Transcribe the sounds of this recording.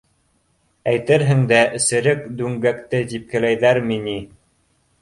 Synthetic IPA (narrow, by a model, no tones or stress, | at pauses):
æjt̪ɘɾɦɘ̆ŋd̪æʔɘ̆sɘ̆ɾɘkd̪ʉŋɡækt̪ɘd̪ip̚kɘ̆læjðæɾmini